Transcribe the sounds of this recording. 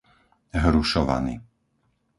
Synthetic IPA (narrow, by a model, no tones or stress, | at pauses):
ɦɾuʃɔʋa̰ni